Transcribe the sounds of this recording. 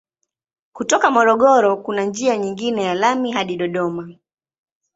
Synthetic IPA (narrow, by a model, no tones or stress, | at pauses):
kutɔkamɔɾɔɠɔɾɔkunand͡ʒiaɲiŋɡinɛjalamiɦaɗiɗɔɗɔma